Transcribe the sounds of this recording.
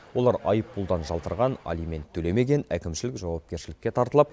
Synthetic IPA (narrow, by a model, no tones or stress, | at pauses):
wo̞lˠɑɾɑjəpːulˠd̪ɑnʒɑlt̪əɾʁɑna̰lijme̞nt̪ʰːɵle̞me̞ɡʲe̞nækʲɪmʃɪlɪkʒɑwɑp̚kʲe̞ɾʃɪlɪkʲːe̞t̪ʰɑɾt̪əlˠɑp̚